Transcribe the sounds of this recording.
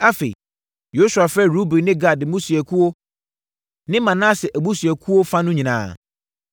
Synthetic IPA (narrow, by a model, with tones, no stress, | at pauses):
a˦fe˨ḭ˨ | jo˦su˨a˨fɾɛ˦ɾu˦bi˨nɪ̃˦ɡa˨dɪ˨mũ˦su˨ɛ˨kʰu˦o˦ | nɪ̃˦mã˨nã˦sɪ˨ʔæ˨bu˦si˨ɛ˨kʰu˦wo˦fã˦nʊ̃˦ɲĩ˨nã̰ː˨